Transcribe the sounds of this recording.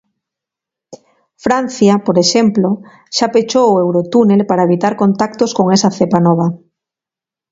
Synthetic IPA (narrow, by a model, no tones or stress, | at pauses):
fɾan̟θjapoɾeʃemplo | ʃapet͡ʃowoewɾot̪unelpaɾaeβ̞it̪aɾkont̪ak̚t̪oskoŋesaθepanɔβ̞a